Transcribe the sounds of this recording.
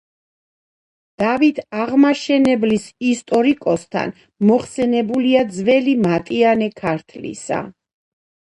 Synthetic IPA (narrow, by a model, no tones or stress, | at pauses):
d̪̥avit̪ʰaʁmaʃɛnɛblisist̪ʼɔɾikʼɔst̪ʰa̰n | mɔχsɛnɛbuliad̪zvɛlimat̪ʼianɛkʰaɾt̪ʰlḭsa̰